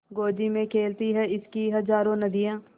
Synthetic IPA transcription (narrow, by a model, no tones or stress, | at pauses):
ɡoːd͡ʒimẽkʰeːlt̪iɦɛɪskiɦɐzaːɾõnɐd̪ijãː